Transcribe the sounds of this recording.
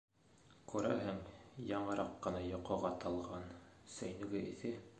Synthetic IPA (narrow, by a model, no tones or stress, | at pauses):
quɾæ̰ɦæŋjɑɴɤ̆ɾɑqːɤ̆nɑjŏqɤ̆ʁɑt̪ɑlˠʁɑnsæ̆jnɘ̆ɡɘʔiθɘ